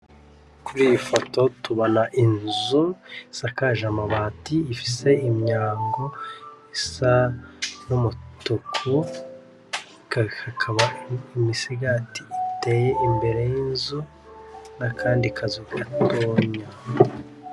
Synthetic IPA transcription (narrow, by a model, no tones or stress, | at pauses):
kuɾiːfo̞to̞tuβonaʔinzuisakaʒamaβatiːfi̥se̞imɲaːŋɡo̞isa | numutukʰu | kakʰakʰaβaimisiɡatiːte̞ːje̞ʔimbe̞ɾe̞jinzu | nakʰaːndikʰazuatʰoːɲa